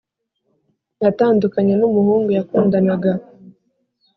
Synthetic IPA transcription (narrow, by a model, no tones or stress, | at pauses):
jataːndukaɲenumuhuːŋɡujakuːndanaɡa